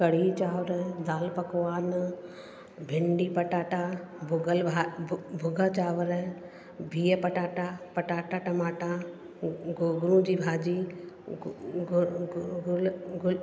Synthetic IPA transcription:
kɐɽ̤it͡ʃaːʋɾd̪aːlpɐkʋaːn | bʱɪɳɖipɐʈaːʈabʊɡəlʱabʱʊɡat͡ʃaːʋɾ | bʱiːjəpɐʈaːʈapɐʈaːʈaʈɐmaːʈa | ɡɡʊɾũd͡ʑiːbʱaːd͡ʑi | ɡlɡʊl

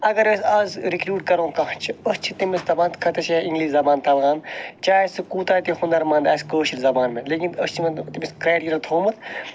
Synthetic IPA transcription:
ɐɡɐɾɐsaːzɾikɾuːɖkɐɾõːkɐt͡ʃʰiɐst͡ʃʰi̥t̪imist̪ɐbaːnt̪kʰɐt̪ɐt͡ʃʰeĩŋɡliːʃzɐbaːnt̪ɐlɣaːnt͡ʃaːesɨkuːt̪aːt̪ixund̪ɐɾmɐ̃ːnd̪aːskoːʃilzɐbaːnmẽleːkʲinɐst͡ʃʰimet̪imiskɾeːʈiɾɐlt̪ʰoːmɨt̪ʰ

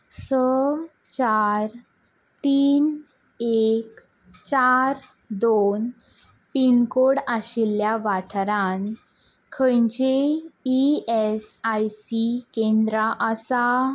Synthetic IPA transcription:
sə | t͡ɕaɾ | t̪iːn | ek | t͡ɕaɾ | d̪on | pinkoɽaɕiljaʋaʈʰɾãn | kʰəjɲd͡ʑeiesajsikẽnd̪ɾaʔəsa

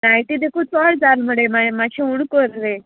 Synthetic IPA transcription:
najʈid̪ekʰuːt͡sɔɭd͡zalm̤əɽemaemaɕʰeuɳkoɾɾe

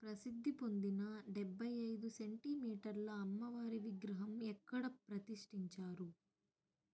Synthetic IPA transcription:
pɾɐsid̪ʱːipo̞nd̪inɐɖɛbʱːɐjɐjd̪use̞ɳʈimiːʈɐɾlɐːmːɐʋaːɾiʋiɡɾɐɦɐmɛkːɐɽɐpɾɐt̪iʂʈiɲt͡ʃaːɾu

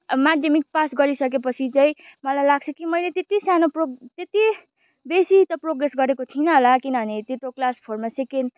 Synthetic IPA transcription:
maɖemik̚pasɡʌɾisʌkepʌt͡sʰit͡sãĩmʌlajlaɡ̚t͡sʰʌkimʌjlet̪et̪isanoprot̪et̪i | besit̪ʌproɡɾesɡʌɾekot̪ʰinʌɦolakinʌɦʌnet̪eʈoklaspʰormaseken

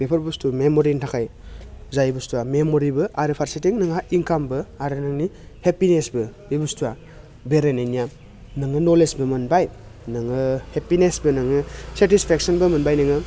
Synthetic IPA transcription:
pepʰɐɾbustumemoɾintʰakʰajzajbɯstuamemoɾibɯʔaɾɯpʰaɾsitiŋnɯŋaiŋkambɯaɾɯnɯŋnihepinesbɯbibustua | beɾenejnija | nɯŋɯnolesbɯmɐnbaj | nɯŋɯhepinesbɯnɯŋɯsetispʰek̚sɔnbɯmɐnbajnɯŋɯ

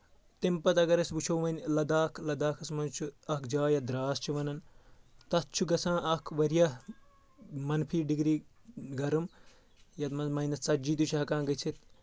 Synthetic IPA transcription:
t̪impɐt̪ɐɡɐɾɐsbut͡ʃʰowmɐnʲlɐd̪aːkʰlɐd̪aːkʰɐsmɐnt͡ʃʰuɐkd͡ʒaːjɐd̪ɾaːst͡ʃʰiʋɐnɐnt̪ɐt̪t͡ʃʰuɡɐsãːʔɐkʰʋɐɾijɐ | mɐnpʰiːɖiɡɾiː | ɡɐɾɐm | jɐt̪mɐnmɐjnɐsɐd͡ʒiːt̪ut͡ʃʰɐɦɐkãːɡɐt͡ʃʰit̪

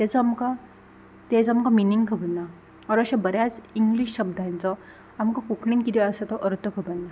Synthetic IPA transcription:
t̪et͡samka | t̪ed͡zamkaminiŋɡkʰəbənːa | ɔɾəɕabəɾjat͡siŋɡliɕɕəb̚d̪ʱant͡sɔ | amkãkukʰlinkit̪iəsət̪ɔʔəɾt̪əkʰəbənːa

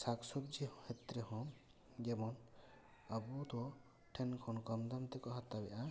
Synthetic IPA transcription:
saksɔt̪̚d͡ʒihɔ̃hɛt̪ɾɛhɔ̃ | d͡ʒɛmɔn | abud̪ɔ | ʈʰɛnkʰɔnkɔmd̪amt̪ɛkɔɦat̪abɛ̰ʔa

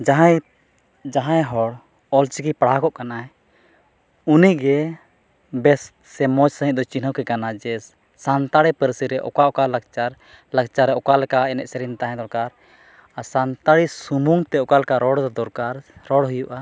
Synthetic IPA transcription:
d͡ʒaɦa | d͡ʒaɦãjɦɔɽ | ɔlt͡ʃikipaɽakɔʔkanaj | uniɡɛ | bɛst̪sɛmɔd͡ʒsə̃ɦĩʔ̚d̪ɔt͡ʃinəwkɛkanad͡ʒɛs | sant̪aɽipəɾsiɾɛʔɔ̰kaʔɔkalakt͡ʃaɾ | lakt͡ʃaɾɛɔkalɛkaɛnɛ̰ʔsɛɾint̪aɦɛ̃d̪ɔɾkaɾ | asant̪aɽisumuŋt̪ɛɔkalkaɾɔɽd̪ɔɾkaɾɾɔɽɦujuʔa

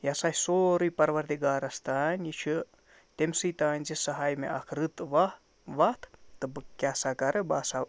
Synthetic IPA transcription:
jasahʲsoːɾɨjpɐɾʋɐɾd̪ʲiɡaːɾɐst̪aːnʲit͡ʃʰɨ | t̪ʲemʲsɨjt̪aːnʲzʲisɐɦaːjmḛʔakʰɾɨt̪ʋa | ʋat̪t̪ːɨbɨkkʲːasakɐɾɨbaːsa

